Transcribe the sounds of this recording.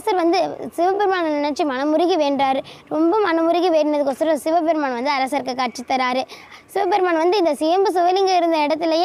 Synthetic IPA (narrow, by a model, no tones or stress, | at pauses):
ɐsɐɾʋɐnd̪ɯsɪʋɐbɛɾmaːnɐnɪnɐʈt͡ʃːimɐnɐmʊɾɪɣiʋeːɳɖɾaːɾɯɾɔmbɐmɐnɐmʊɾɪɣiʋeːɾnɐðɯk̬ːɔsɐɾɐ̃sɪʋɐbɛɾmaːnɳʋɐnd̪ɯɐɾɐsɐɾkːɯkaːʈ̚t͡ʃɪt̪ːɐɾaːɾɯsɪʋɐbɛɾmaːɳʋɐnd̪ɯɪnd̪ɐsɪjɐmbɯs̬ɪʋɐlɪŋɡɐɪɾɯnd̪ɐɪɽɐt̪̬ːɪlɐjeː